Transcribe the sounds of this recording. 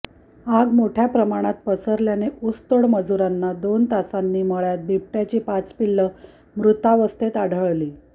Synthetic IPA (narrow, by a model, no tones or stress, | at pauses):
aɡmoʈʰjapɾəmaɽ̃at̪̚pəsəɾljaneʔust̪oɽməd͡zuɾanːad̪ont̪asanːiːməɭjat̪̚bʱip̚ʈjat͡ɕiːpat͡spilːə | mɾut̪aʋəst̪et̪aɽʱəɭliː